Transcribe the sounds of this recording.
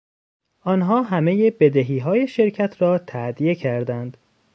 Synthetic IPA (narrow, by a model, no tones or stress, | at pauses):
ʔɒːnɦɒːɦæmeje̞be̞d̪eɦiːɦɒːje̞ʃe̞ɾcʰæt̪ʰɾɒːt̪ʰæd̪ije̞cʰæɾd̪ænd̪̥